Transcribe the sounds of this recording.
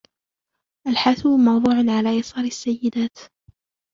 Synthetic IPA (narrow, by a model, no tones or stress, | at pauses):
ʔalħaθumɑwðˤuːʕanʕalaːjɑsˤɑːɾasːajːɪd̪aːt̪